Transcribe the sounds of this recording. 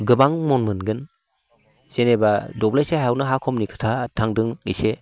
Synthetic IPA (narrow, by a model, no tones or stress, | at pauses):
ɡɯbaŋmɔnmɯnɡɯn | z̥enebadɔblajseɦawnaɦakʰɔmnikʰɯ̥tʰatʰaŋdɯŋḭse